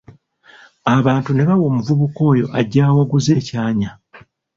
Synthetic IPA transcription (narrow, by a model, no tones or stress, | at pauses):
aβaːntune̞βawo̞ːmuvuβuko̞ːjo̞ʔaɟːaːwaɡuze̞ːcaːɲa